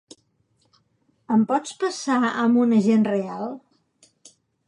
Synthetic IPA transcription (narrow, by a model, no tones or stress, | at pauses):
əmpɔt͡spəsaəmbunəʒenrealˠ